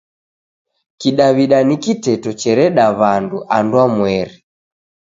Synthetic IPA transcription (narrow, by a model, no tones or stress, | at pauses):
kiɗaβiɗanikitɛtɔt͡ʃɛɾɛɗaβanduʔandwamwɛɾi